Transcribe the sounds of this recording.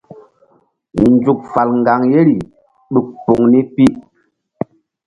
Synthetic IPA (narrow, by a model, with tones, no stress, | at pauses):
n˨d͡zu˨k̚fa˨lŋ˨ɡa˨ŋje˦ɾi˨ | ɗu˨k̚po˨ŋni˦pi˦